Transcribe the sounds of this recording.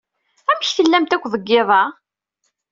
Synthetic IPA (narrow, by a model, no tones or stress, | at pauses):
æmçθəlːæmt̪ækʷːðˤəɡːeðˤɑ